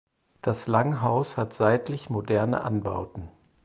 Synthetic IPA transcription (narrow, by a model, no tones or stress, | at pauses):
d̥aslaŋɦaʊshatz̥aɪtlɪçmodɛɐnə̰ʔa̰nba̰ʊtn̩